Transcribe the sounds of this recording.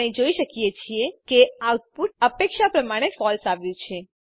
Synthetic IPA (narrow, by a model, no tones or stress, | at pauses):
ĩd͡ʒoiʃəkijet͡ʃʰiekeaut̪̚puʈ̪əpekʃapɾəmaɽ̃efɔlsaʋjũt͡ʃʰe